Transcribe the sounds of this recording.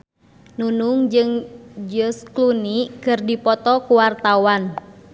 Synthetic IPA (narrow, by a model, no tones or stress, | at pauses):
nunuŋd͡ʒɨŋd͡ʒəsklunikɨrdipɔt̪ɔkuwart̪awan